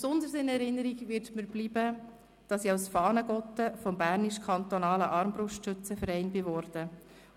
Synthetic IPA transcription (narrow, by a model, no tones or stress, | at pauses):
psʊnd̪əɾsɪnɛɾɪnːəɾiɡʋɪɾtməɾb̥libə | d̥ɑsiaʊsfɑːnəɡɔt̪ːəfɔmbæːɾniʃkʰɑnt̪ɔnɑːləʔɑɾmbɾʊʃtʃɵt͡səfəɾɛɪnbɪʋɔɾd̥ə